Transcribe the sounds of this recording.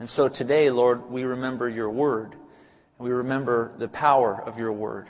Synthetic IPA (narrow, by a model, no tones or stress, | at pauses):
ɨ̃nsoʊtʰɨdeɪlɔɹd̚wiɹɨmɛ̃mbə˞jə˞wɜ˞d | ɨ̃nwiɹɨmɛ̃mbə˞ðɨpʰaʊə˞ʌvjə˞wɜ̰˞d̥